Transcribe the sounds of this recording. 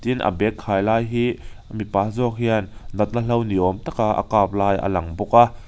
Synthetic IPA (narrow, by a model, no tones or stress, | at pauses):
t̪inʔə̰bɛkʰːaːjlaːjɦiː | mipaːzɔk̚hiannɐt̪̚nəlɐwniʔɔmt̪akaʔə̰kaːp̚laːjʔə̰lɐŋbuk̚a